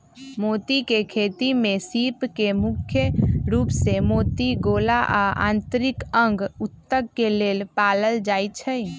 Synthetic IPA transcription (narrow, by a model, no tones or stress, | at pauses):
mot̪ikekʰet̪imẽsipkemukʰjəɾuːpsemoːt̪iɡolaʔaʔã̰ːnt̪əɾikəŋɡut̪ːəɡ̚kelelpaləld͡ʒaːjt͡ʃʰəj